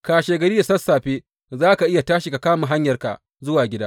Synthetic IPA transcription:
kaː˨ʃeː˨ɡɐ˨ɾi˦da˨sɐ˦sːaː˨ɸeː˦ | zaː˦ka˨ʔɪ˦ja˨taː˦ʃi˨ka˨kaː˦ma˨ɦa˦ɲjɐ˨rka̰˨ | zʊ˦waː˨ɡʲɪ˦daː˦

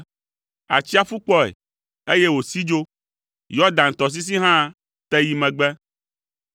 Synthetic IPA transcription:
a̰˨t͡ʃi˦a˦fu˦k͡pɔ˦ḛ˨ | e˦je˦wo˨si˦d͡ʒo˦ | jɔ˦d̪ã˨ŋ̩˨t̪ɔ˨s̬i˦s̬i˦ɦã˦ | t̪ɛ˦ji˦mɛ̃˨ɡ͡bɛ˦

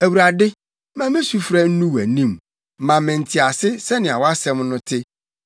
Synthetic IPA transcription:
æ˨wu˨ɾa˨dɪ˦ | mã˦mẽ˦su˦fɾa˦n̩˦nũ˦wæ̰˨nĩ˦m˦ | mã˨mɪ̃˨n̩˨tʰi˨a˨sɪ˦sɛ˦nɪ̃˨a˨wɔ˦a˦sɛ̃˦mnʊ̃˦tʰɪ˦

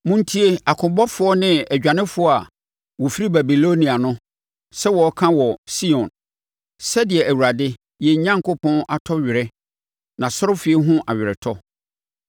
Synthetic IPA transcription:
mʊ̃˦n̩˦tʰi˦e˦a˨kʰʊ̃˨bɔ˦fʊ˦ɔ˦nɪ̃˦æ˨d͡ʑᶣã˨nɪ̃˦fʊ˨˦ɔ˦a˨ | wɔ˨fi˦ɾi˦ba˨bi˨lo˦nĩ˨a˨nʊ̃˦ | sɛ˦wɔ˨ɔ˦kʰã˦wɔ˨si˦ɔ̃˨n | sɛ˦dɪ˨ɛ˨ʔæ˨wu˨ɾa˨dɪ˦ | jɛ˨˦ɲã˦ŋko˦pʰɔ̃˦nʔa˨tʰɔ˦ɥɪ˨ɾɛ˦ | nã˨sʊ˦ɾʊ˦fɪ˨˦e˦ɦʊ̃˦ʔa˨ɥɪ˨ɾɛ˨tʰɔ˦

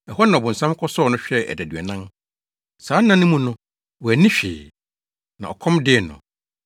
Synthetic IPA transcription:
ɛ˨ɦɔ˦nã˨bʊ̃˨n̩˨sã˦m˦kʰɔ˦sɔ˦nʊ̃˦ɕᶣɛ˦ʔɛ̰˨dæ˨dɥɛ˨nã˦n | saː˨˦nã˦nʊ̃˦mũ˦nʊ̃˦ | wɔ˨æ˨nĩ˦ɕᶣɪ̰ː˨ | nã̰˨ɔ˨kʰɔ̃˦mdɪ˦ɛ˨nʊ̰̃˨

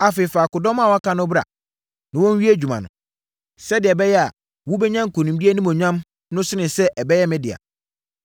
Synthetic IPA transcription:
a˨fɪ˨faː˨kʊ˨dɔ̃˦mã˦˨wɔ˦a˦kʰã˦nʊ̃˦bɾa̰˨ | nã˨wɔ̃˦n˦ɥi˦æ˦d͡ʑᶣu˨mã̰˨nʊ̰̃˨ | sɛ˦dɪ˨ɛ˨bɛ˦jɛ˦a̰˨ | wu˦bɛ˦ɲã˦ŋ˨kʰo˨nũ˨mbi˦e˦nĩ˦mɔ̃˨ɲᶣã˦m | nʊ̃˦sɪ˦nɪ̃˨sɛ˦ʔɛ˨bɛ˦jɛ˦mɪ̃˦dɪ˨a̰˨

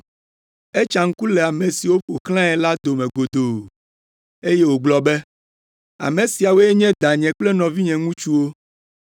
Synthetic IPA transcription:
e˦t͡ʃa˨ŋ̩˦ku˦lɛ˨a˨mẽ˨si˨wo˦ɸo˨kl̃ã˦ɛ˨la˦d̪o˨mɛ̃˨ɡo˨d̪o˨ | e˦je˦wo˨ɡ͡blɔ˨bɛ˦ | a̰˨mẽ˨si˨a˨wo˦ɛ˦ɲɛ̃˦d̪a˨ɲɛ̃˨k͡plɛ˦nɔ̃˨vi˦ɲɛ̃˨ŋũ˦t͡ʃu˦wo˦

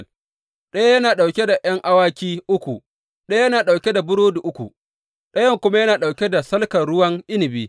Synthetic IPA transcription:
ɗɐ˦jjɐ˦naː˨ɗa˨wkʲe˦da˨ʔɐ˦ŋʔa˦waː˦kʲiː˦ʔʊ˦kʷu˨ | ɗɐ˦jjɐ˦naː˨ɗa˨wkʲe˦da˨bʊ˦ɽoː˦du˨ʔʊ˦kʷṵ˨ | ɗɐ˦jɐ˦ŋkʷʊ˦ma˦jɐ˦naː˨ɗa˨wkʲe˦da˨sɐ˦lkɐ˨ɽʊ˦wɐ˦ŋʔɪ˦nɪ˨biː˦

